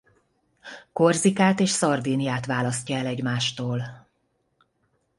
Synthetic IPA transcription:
korzikaːt̪eːʃsɒrd̪iːnijaːt̪ʋaːlɒscɒɛlɛɟmaːʃt̪oːl

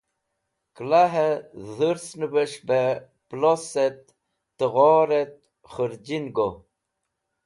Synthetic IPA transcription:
klaɦezəɾsnəbəʂbe | ploset̪ː | əɣɔːɾet̪̚ | χəɾd͡ʑinɡo

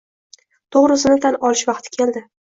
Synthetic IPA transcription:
t̪ʰoʁɾɪsɪnɪt̪ʰanɒlɪʃvɑq̚t̪ʰɪ̥kʲʰe̞ld̪ɪ

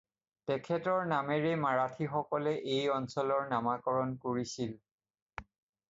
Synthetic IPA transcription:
tɛkʰɛtɔɹnamɛɹemaɹatʰixɔkɔlɛʔejɔnsɔlɔɹnamakɔɹɔnkoɹisil

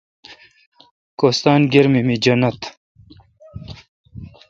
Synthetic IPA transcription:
kost̪aːnɡeɾmimid͡ʑɐnɐt̪

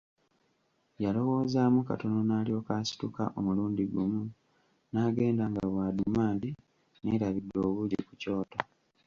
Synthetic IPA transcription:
jalo̞wo̞ːzaːmuka̰to̞no̞naːlio̞ːkaːsi̥tuka̰ʔomuluːndiɡumu | naːɡe̞ːndaŋɡawaːdumaːndi | neːɾaβidːo̞ːβuɟiku̥co̞ːta

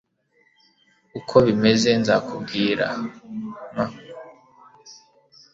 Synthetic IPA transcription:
ukʰo̞βime̞ze̞nzakʰubɡiːɾa̰ | ma

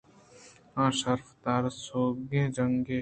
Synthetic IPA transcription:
ãːʃəɾfd̪aːɾsoːɡẽd͡ʒəŋɡe

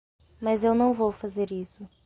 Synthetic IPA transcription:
mɐzewnɐ̃w̃vowfazeɾisʊ

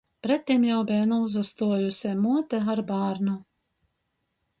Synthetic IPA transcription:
pɾɛt̪ʲːimjawbʲɛnuuzast̪uɔjusʲɛmuɔt̪ɛaɾbaːɾnu

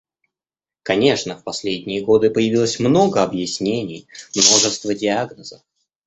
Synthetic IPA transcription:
kɐnʲe̞ʂnəfpɐsʲlʲedʲnʲɪjəɡo̞d̪ɨpəjɪvʲilˠəsʲmno̞ɡəɐbjɪsʲnʲenʲɪjmno̞ʐɨst̪vədʲɪaɡnəzəf

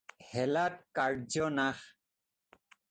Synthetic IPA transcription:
hɛlat̚kaɹd͡ʒɔnax

